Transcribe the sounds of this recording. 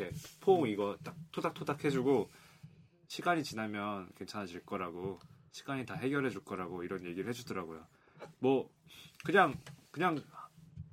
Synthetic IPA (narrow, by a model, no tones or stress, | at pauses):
epʰoŋiɡʌt͈ak̚tʰodak̚tʰodakʰe̞d͡ʑuɡo | ɕʰiɡaɲit͡ɕinamjʌnkwe̞nt͡ɕʰanad͡ʑiɭk͈ʌɾaɡoɕʰi̥ɡaɲitaɦe̞ɡjʌɾɦe̞d͡ʑuɭk͈ʌɾaɡoiɾʌnje̞ɡiɾɯɭhɦed͡ʑudʌɾaɡojo̰ | mwʌkɯɲaŋkɯɲaŋ